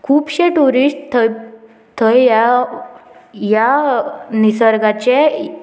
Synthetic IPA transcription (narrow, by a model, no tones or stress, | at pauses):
kʰuːpɕeʈuɾisʈt̪ | t̪ʰəja | ja | nisəɾɡat͡ɕe